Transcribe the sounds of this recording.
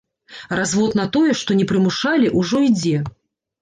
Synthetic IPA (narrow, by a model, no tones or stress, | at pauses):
razvɔt̪nɐt̪ɔjɛʂt̪ɔnʲɛpɾɨmuʂalʲiʔuʐɔid͡zʲɛ